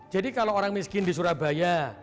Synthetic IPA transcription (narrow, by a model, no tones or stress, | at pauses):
d͡ʒadikalooɾaŋmiskɪndisuɾahba̤ja